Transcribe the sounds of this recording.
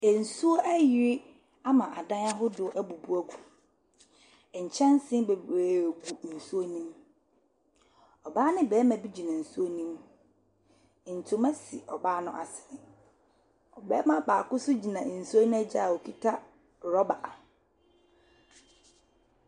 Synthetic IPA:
e˨n̩˨su˦o˦ʔæ˦jɪ˨ɾɪ˦ | a˦mã˨ʔa˨dã˦na˦ɦʊ˦dʊ˨˦ʔæ˦˨bu˨bu˦æ˦ɡu˨ | ɲ̩˨t͡ɕʰɛ̃˦n˦sɪ̃˦be˨bɾeː˦˨ɡu˨n̩˨su˦o˦nĩ˦m | ɔ˨baː˦nɪ̃˦bɛː˨˦mã˨bi˦d͡ʑi˨nã˨n̩˨su˦o˦nĩ˦m˨ | n̩˨tʰʊ˦mæ̃˦si˨ɔ˨baː˦nʊ̃˦ʔa̰˨sɪ˨ɾɪ˨ | ɔ˨bɛː˦mã˨baː˨kʊ˦sʊ˦d͡ʑi˨nã˨n̩˨su˦o˦nʊ̃˦æ˦d͡ʑa˦˨a˨ɔ˨kʰi˦tʰa˦ | ɾɔ˦ba˨ʔa˨

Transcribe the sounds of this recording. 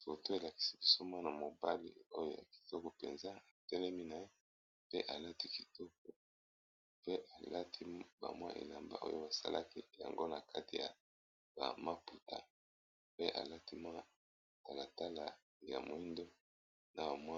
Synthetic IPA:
fo˨to˦e˨la˨ki̥˦si˦bi˦so˦mwa˦na˨mo˨ba˦lḭ˦o˦jo˦ja̰˨ki̥˨tɔ˦ko˨pḛ˨nza˦a˨tɛ˦lɛ˦mi˦na˨e˦ | pe˦ʔa˨la˦ti˦ki˨tɔ˦kɔ˨ | pe˦ʔa˨la˦tʰi˦ba̰˨mwa̰˦ʔḛ˨la˨mba̰˦ʔo̰˦jo̰˦ba˨sa̰˦lʔa̰˦ki˦ja̰˨ŋɡo˦na˨kʰa˦ti˨ja̰˨ | ba̰˨ma˦pu˨ta̰˦ | pe˦ʔa̰˨la˦ti˦mwa˦ | ta˨la˨ta˦la˨ | ja̰˨mo˨i˦ndo˦ | na˨ba˨mwa˦

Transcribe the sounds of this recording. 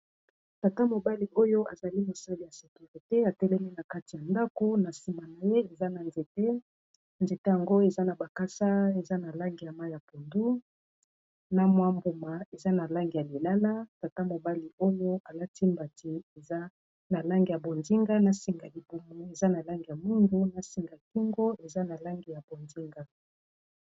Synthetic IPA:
ta˨ta˦mo˨ba˦li˨ʔo˦jo˦a˨za˨li˦mo˨sa˦li˨ja˨se˨ky˨ʁi˨te˦a˨tɛ˦lɛ˦mi˦na˨ka˦ti˨ja˨nda˦ko˦na˨si˨ma˨na˨je˦e˨za˦na˨nze˨te˦ | nze˨te˦ja˨ŋɡo˦e˨za˦na˨ba˨ka˦sa˦e˨za˦na˨la˦ŋɡi˨ja˨ma˦ja˨po˨ndu˦ | na˦mwa˦mbo˨ma˨e˨za˦na˨la˦ŋɡi˨ja˨li˨la˦la˦ta˨ta˦mo˨ba˦li˨o˦jo˦a˨la˦ti˦mba˨ti˨e˨za˦ | na˨la˦ŋɡi˨ja˨bo˨nzi˦ŋɡa˦na˨si˨ŋɡa˨li˨bo˨mo˨e˨za˦na˨la˦ŋɡi˨ja˨mi˦ŋɡu˦na˨si˨ŋɡa˨ki˦ŋɡo˦e˨za˦na˨la˦ŋɡi˨ja˨bo˨nzi˦ŋɡa˦

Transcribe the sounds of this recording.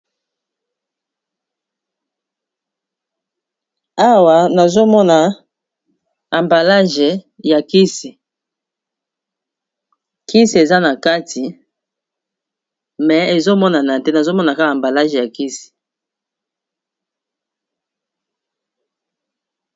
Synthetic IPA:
a˦wa˨na˨zo˦mɔ˦na˨ | a˨mba˨la˦ʒe˨ | ja˨ki˦si˨ | kʰi˦si˨e˨za˦na˨ka˦tʰi˨ | mɛ˨e˨zo˦mɔ˦na˨na˨tɛ˦na˨zo˦mɔ˦na˨ka˦a˨mba˨la˦ʒe˨ja˨ki˦si̥˨

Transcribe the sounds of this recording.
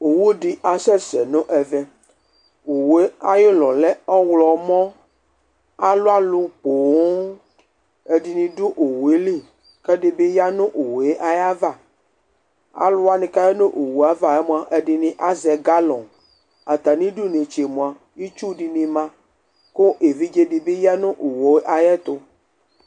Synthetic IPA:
o˨wo˦ɖi˦ʔa˨sɛ˦sɛ˨nõ˦ʔɛ˨vɛ˦ | o˨wu˨e˦a˦je˦lɔ˨lɛ˦ɔ˦wlɔ˨mɔ̃˦ | a˦lo˦a˦lu˦k͡po˨˦ | e˨di˨nĩ˨do˦ʔo˨wu˨e˦lĩ˦˨ | kɛ˦ɖe˦be˦ja˦nõ˦ʔo˨we˦ʔa˦ja˦va˦˨ | a̰˦lʊ˦a˦nĩ˨ka˦je˦nõ˦ʔo˨wu˨a˦va˨ɛ˦mũ˦a˨ʔe˨ɖi˨nĩ˨ʔa˦zɛ˨ɡa˦lɔ̃˨n | a˨t̪a˨nĩ˦ɖu˦ne˨t͡ʃe˨mũ˨a˨ | i˦t͡ʃu˦ɖi˨nĩ˨mã˦ | ko˦ʔe˨vi˦d͡ʒe˦ɖe˨be˦ja˦nũ˦ʔo˨wo˨e˦ʔa˨jɛ˦t̪o˦

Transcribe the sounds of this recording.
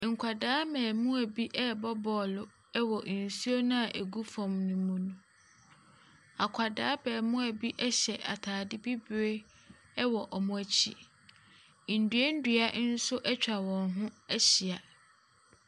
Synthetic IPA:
ŋ̩˨kʰa˨daː˦mɛ̃ː˨mʊ̃˦æ˨bi˦ʔɛ˦bɔ˦bɔː˨lʊ˦ | ɛ˦wɔ˨ʔn̩˨su˦o˦nã˦a˨ʔæ˨ɡu˦fɔ̃˨mnʊ̃˨mũ˦nũ˨ | a˨kʷʰa˨daː˦bɛː˨mʊ̃˦æ˨bi˦ʔɛ˦ɕɛ˨ʔa˨tʰaː˨dɪ˦bi˦bɾe˦ | ɛ˦wɔ˨ʔɔ˨mʊ̃˦æ˨t͡ɕʰi˦˨ | n̩˨dɥe˦n̩˦dɥa˦ʔn̩˦sʊ˦ʔɛ˦t͡ɕᶣa˨wɔ̃˨nɦʊ̃˦æ˦ɕi˨a˨

